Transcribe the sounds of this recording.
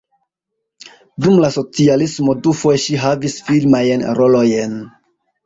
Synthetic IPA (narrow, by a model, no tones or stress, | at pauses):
dumlaso̞t͡sialismo̞dufojeʃiɦavisfilmajnɾolo̞jen